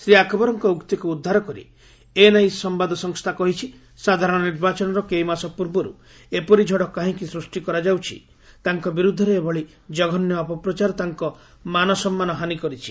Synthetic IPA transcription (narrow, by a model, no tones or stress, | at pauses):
sɾiakʰɔbɔɾɔŋkɔukt̪ikuːd̪ʱːaɾɔkɔɾḭ | enaĩsɔmbad̪ʱɔsɔŋst̪ʰakɔɦit͡ʃʰi | sad̪ʱaɾɔɽ̃ɔniɾbat͡ʃɔnɔɾɔkejmasɔpuɾbɔɾṵ | epɔɾid͡ʒʱɔɽɔkaɦĩkisɾusʈikɔɾad͡ʒawt͡ʃʰḭ | t̪aŋkɔbiɾud̪ʱːɔɾeːbɔɭi | d͡ʒɔɡʱɔnjɔapɔpɾɔt͡ʃaɾɔt̪aŋkɔ | manɔsɔmːanɔɦanikɔɾit͡ʃʰi̥